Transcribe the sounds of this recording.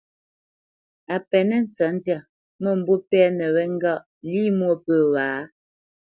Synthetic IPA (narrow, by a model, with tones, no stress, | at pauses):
a˨pɛ˨nɛ˦n̩˦t͡sa˨˦n̩˦dja˦˨ | mə˦˨m̩˨bo˦pɛ˦nɛ˨wɛ˦ŋ̩˦ɡa˦˨ʔ | liː˦mwo˦˨pə˦˨waː˨˦